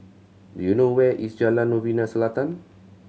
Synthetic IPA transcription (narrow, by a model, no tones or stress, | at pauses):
djunowɛʔisd͡ʒalanːovinãsəlat̪an